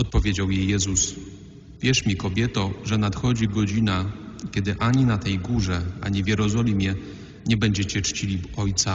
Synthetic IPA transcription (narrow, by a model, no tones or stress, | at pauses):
ɔt̪̚pɔvʲjed͡ʑawjejːɛzus | vʲjɛʂmʲikɔbʲjɛt̪ɔʐɛnat̪xɔd͡ʑiɡɔd͡ʑinakʲɛd̪ɘʔaɲinat̪ɛjɡuʐɛa̰ɲivʲjɛɾɔzɔlʲimʲjɛ | ɲɛbɛɲd͡ʑɛt͡ɕɛt͡ʂt͡ɕilʲiɔjt̪sa